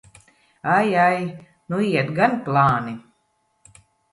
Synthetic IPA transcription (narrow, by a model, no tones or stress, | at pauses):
ajaj | nuiɛt̪ɡanplˠaːni